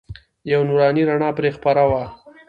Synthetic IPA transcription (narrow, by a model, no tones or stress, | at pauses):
jawnuɾɑniɾaɳɑpɾexpaɾawa